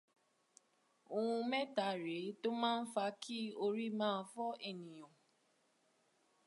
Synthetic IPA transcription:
o˧ũ˧mɛ˦ta˨ɾe˨˦to˦mãː˦˧n̩˦fa˧˦kʰi˦o˧ɾi˦mãː˦˧˦fɔ˦ʔe˦˨nĩ˨j̃ɔ̃˨

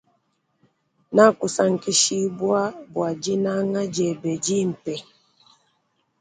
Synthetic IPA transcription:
na˦˨ku˨sa˦ŋ̩˨ki˦ʃi˦bwa˦bwa˨d͡ʒi˦na˦ŋa˦d͡ʒɛ˨bɛ˨d͡ʒi˦m̩˨pɛ˨

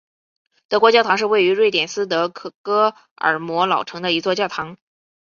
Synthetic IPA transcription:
t̪ɤ˧˥kwɔ˧˥t͡ɕjɑ˥˩ʊt̪ʰɑ˧˥ŋʂɻ̩˥˧we˥˩ɪy˧˥ɻwe˥˩ɪt̪jɛ˨˩nsɹ̩˥t̪ɤ˧˥kʰɤ˨˩kɤ˥ | ə̰˞˨˩mwɔ˧˥lɑ˨˩ʊʈ͡ʂʰɤ˧˥ŋd̪ə˧i˧˥t͡swɔ˥˧t͡ɕjɑ˥˩ʊt̪ʰɑ˧˥ŋ

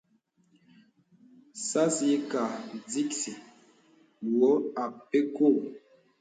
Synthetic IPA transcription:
sa˦se˦ka˨d͡zi˦ksi˨ | wɔ˨˦a˨p̚pe˦ko˦˨

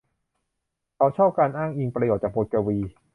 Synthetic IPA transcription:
ka˧˩wt͡ɕʰɔː˥˩p̚kaː˧nʔaː˥˩ŋʔi˧ŋpɾa˧joː˨˩t̪̚t͡ɕaː˨˩boː˧˩t̪̚ka˧wiː˧

